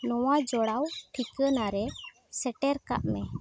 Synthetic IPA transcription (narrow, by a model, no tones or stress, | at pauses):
nɔwad͡ʒɔɽawʈʰikənaɾɛ | sɛʈɛɾka̰ʔmɛ